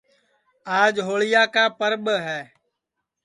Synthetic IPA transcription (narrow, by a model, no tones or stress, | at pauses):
aːd͡ʒɦoːɭɪjaːkaːpəɾɓɦɛː